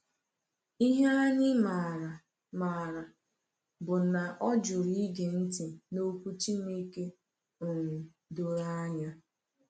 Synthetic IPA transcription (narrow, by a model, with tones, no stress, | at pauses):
i˦ɦe˦a˦ɲɪ˦ma˨ɾa˨ | ma˨ɾa˨ | bʊ˨na˨ʔɔ˦d͡ʒʊ˨ɾi˦i˦ɡe˨n̩˦ti˨no˦kʷu˦t͡ʃi˦mi˦ke˦ | o˨ŋu˨ | do˦ɾa˦ɲa˦